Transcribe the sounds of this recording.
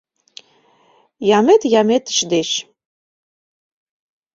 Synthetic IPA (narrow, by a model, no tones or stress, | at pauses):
jamet̪jamet̪ʰɨ̥ʃd̪eʃ